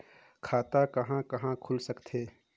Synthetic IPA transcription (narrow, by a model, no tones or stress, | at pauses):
kʰaːt̪akɐɦãkɐɦãkʰʊlsɐkt̪ʰeː